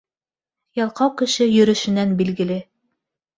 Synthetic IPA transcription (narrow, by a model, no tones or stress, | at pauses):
jɑlˠqɑwkɘ̆ʃɘjɵ̆ɾɵ̆ʃɘ̆nænbilɡɘ̆lɘ